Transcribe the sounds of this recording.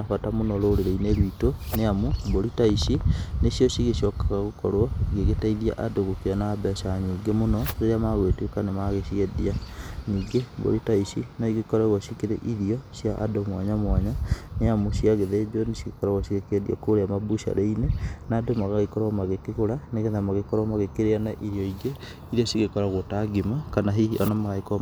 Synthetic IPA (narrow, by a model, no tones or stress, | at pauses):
nafatamonɔɾoːɾeɾeineɾwitoneamuboɾitaisinesijɔsiɣeʃɔkaɣaɣokɔɾwɔɣeɣetaiðia̰ʔadoɣokeanabɛsaɲiːɡemonɔɣeɾeamaɣwetwekanemaɣeʃiɛðianiːɡebo̰ɾitaisinaiɣekɔɾɛɣwɔʃikeɾḛʔiðiɔsjaʔa̰domwaɲamwaɲaneamosiaɣeðed͡ʒonesiɣekɔɾaɣwasiɣekeɛðḭa̰koɾeamabuʃa̰ɾeinenadomaɣaɣekɔɾɔmaɣekekoɾaneɣeðamaɣekɔɾɔmaɣekeɾeanaʔiɾjɔiɡe | iɾiasiɣekɔɾaɣotaɡimakanaɦiiɔnamaɣaikɔ